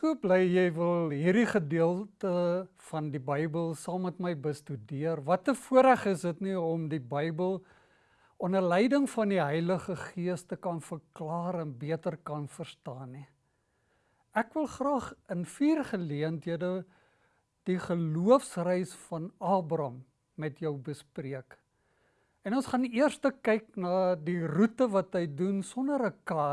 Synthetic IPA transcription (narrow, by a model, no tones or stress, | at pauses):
suəblɛjjɛjvəlˠɦirdiχədiəlˠtə | fɐndibəjbəlˠsɑːmːətməjbəstydiərvɐtəfuəɾæχəsdətniɔmdibəjbəlˠ | ɔnərlɛjdəŋfɐndiɦɛjləχəχiəstəkɐnfərklɑːɾɛnbiətərkɐnfərstɑːni | ʔækvəlˠχrɑːχənfiːrχəliəntɦiədə | d̥iχəluəfsrəjsfɐnɑːbrɐmː | ɛtjəwbəspriək | ɛnɔnsχɐniərstəkɛjknɑːdirutəvɐtɦəjdunsɔnəɾəkɑː